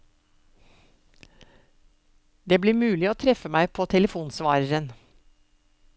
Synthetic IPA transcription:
d̪eːbliːɾmʉːlɪoːt̪ʰɾɛfəmæɪpʰoːt̪ʰɛləfuːnsʋɑːɾəɾən

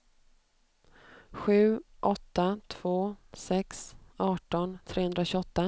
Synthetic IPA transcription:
ɧʉ̟ːʔɔt̪ːat̪ʰv̥oːsɛksɑːʈɔnt̪ʰɾeːhɵnd̪ɾaɕʏɔt̪ːa

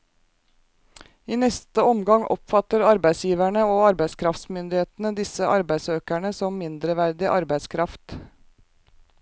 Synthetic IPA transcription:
iːnɛst̪əɔmɡɑŋʔɔ̰pfɑt̪əɾɑɾbæɪsjiːʋæɳəoːɑɾbæɪskʰɾɑft̪smʏnd̪ɪheːt̪n̩əd̪ɪsəʔɑɾbæɪsøːkæɳəsɔmmɪnd̪ɾəʋæɾd̪ɪʔɑɾbæɪskʰɾɑft̪

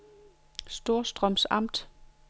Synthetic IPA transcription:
sd̥o̝ɐ̰sd̥ʁɒmsɑ̈m̰d̥

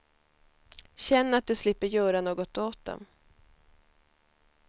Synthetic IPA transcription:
ɕɛnːat̪̚d̪ɵslɪpːəɾjœːɾanoːɡɔt̪oːt̪̚d̪ɔ̰m

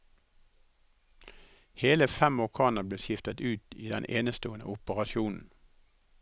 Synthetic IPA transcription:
heːləfɛmʋʊʁkʰɑːnəbleːʃɪft̪ət̪ʉːt̪iːd̪ɛ̰nʔeːnəst̪oːənə̰ʊpəʁɑʃjuːnn̩

